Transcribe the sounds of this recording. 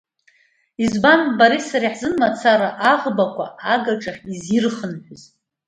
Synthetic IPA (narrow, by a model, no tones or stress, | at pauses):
izbanbaɾisaɾiħzɨnmat͡sʰaɾaʔaʁbakʷʰa̰aɡaʈ͡ʂʼaχʲizirχənħʷᶣʊz